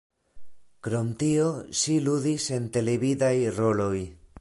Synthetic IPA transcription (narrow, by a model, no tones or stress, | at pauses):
kɾo̞mtio̞ʃiluðise̞nte̞leβidajro̞lo̞j